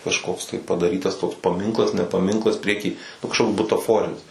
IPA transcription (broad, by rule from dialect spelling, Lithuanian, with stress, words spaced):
kɐʃˈkoːks tɐɪ pɐdɐˈrʲiːtɐs toːks pɐˈmʲɪŋklˠɐs nʲɛ pɐˈmʲɪŋklˠɐs ˈpʲrʲiɛˌkʲiː ˈnʊ kɐʃˈkoːks bʊtɐˈfoːrʲɪnʲɪs